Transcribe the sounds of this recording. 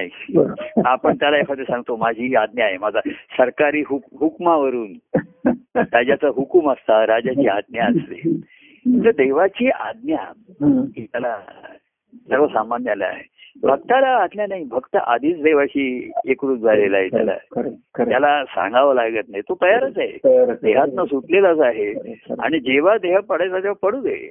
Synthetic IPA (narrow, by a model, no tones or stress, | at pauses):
aɦi | apəɳt̪jalaekʰat̪esãŋɡt̪omad͡ʑʱiːad̪̚njaɦemad͡zʱasəɾkaɾiːɦukɦukmaʋəɾuːn | ɾad͡ʑat͡səɦukuməst̪aɾad͡ʑat͡ɕiːad̪̚njaəslḛ | it̪əd̪eʋat͡ɕiːʔa̰d̪̚njakit̪jala | səɡʋəsamanjala̰a̰ɦebʱək̚t̪alaːd̪ljanaɦibʱəkt̪əʔad̪ʱiːt͡sd̪eʋaɕiːekɾuːd͡zʱalelaɦet̪ja̰la̰k̪jalasã̰ŋɡaʋəlaɡət̪naɦjt̪ot̪əjaɾət͡saɦḛd̪eɦat̪nasut̪leləsaɦea̰ɽ̃id͡ʑeʋ̤ad̪eɦapəɽajt͡sat̪jaʋapəɽuːd̪eḛ